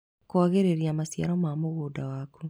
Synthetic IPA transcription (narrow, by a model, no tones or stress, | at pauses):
koɔɣeɾeɾiamasja̰ɾɔmamoɣoːdawaku